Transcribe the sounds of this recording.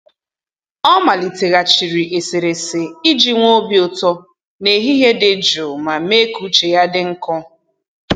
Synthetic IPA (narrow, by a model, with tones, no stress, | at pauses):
ɔ˦ma˨li˨te˨ɣa˨t͡ʃi˨ɾi˨ʔe˨se˨ɾe˨se˨i˦d͡ʒi˨ŋʷo˦bjo˨tɔ˦ | ne˨ɦi˦ɦe˦de˨d͡ʒo˨ma˨me˦ku˨t͡ʃe˨ja˦dɪ˦ŋ̩˦kɔ˦